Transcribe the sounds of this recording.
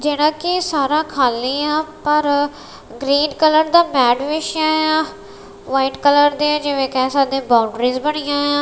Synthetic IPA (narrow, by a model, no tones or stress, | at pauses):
d͡ʒeːɽ̃ãːkɪsaːɾaːkʰaːliːaːpəɾ | ɡɾiːɖkələɾd̪aːmɛːɖʋeːʃãːjãː | ʋaːiʈkələɾd̪ẽːd͡ʒɪʋẽːkɛːsaːd̪ẽːbaːʊɳɖɾiːzbəɽ̃ɪjãːjãː